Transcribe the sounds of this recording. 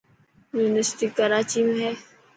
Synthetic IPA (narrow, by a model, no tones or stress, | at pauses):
juːnəsʈikːəɾaːt͡ʃimeɦɛː